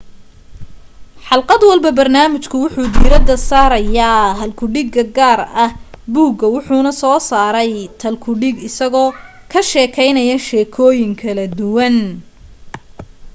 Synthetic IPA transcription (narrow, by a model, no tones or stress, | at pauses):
ħɑlqɑd̪wɑlbɐbɐrnaːmɪt͡ʃkʰʊwʊħuːd̪iːɾɐd̪ɐsaːɾɐjaːɦɐlkʰʊɖɪɡɐɡaːrɐhbuːɡɐwʊħuːnɐsɔːsaːɾɛjt̪ʰɐlkʰʊɖɪɡɪsɐɣɔː | kʰɐʃɛːkʰɛjnɐjɐʃɛːkʰɔːjɪŋkʰɐlɐd̪ʊwɐn